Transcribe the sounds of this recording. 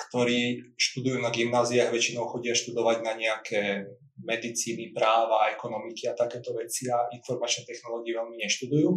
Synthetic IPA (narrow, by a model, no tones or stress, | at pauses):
kt̪ɔɾiːʃt̪ud̪ujuːnaɡimnaːziaːɣʋɛt͡ʃinɔʊxɔɟɪaʃt̪ud̪ɔʋaɟnaɲɛakʰɛː | mɛd̪it͡siːnipɾaːʋaɛkɔnɔmikiat̪akɛːt̪ɔʋɛt͡siainfɔɾmat͡ʃnɛt̪ɛxnɔlɔːɡiɛʋɛlmiɲɛʃt̪ud̪ujuː